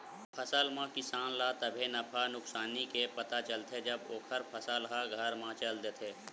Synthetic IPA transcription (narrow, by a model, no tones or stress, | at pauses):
pʰəsəlmãkɪsaːnlat̪əbʱenɐpʰanʊksaːnikepɐt̪at͡ʃəlt̪ʰed͡ʒɐboːkʰəɾpʰəsəlɦaɡʱəɾmãt͡ʃəld̪eːt̪ʰeː